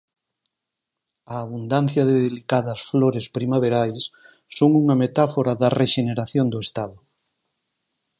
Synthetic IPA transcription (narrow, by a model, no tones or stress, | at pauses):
ɐːβund̪an̟θjɐðeðelikaðɐsfloɾespɾimaβeɾajsː | oŋuŋɐmet̪afoɾɐðɐreʃeneɾaθjond̪ʊest̪aðʊ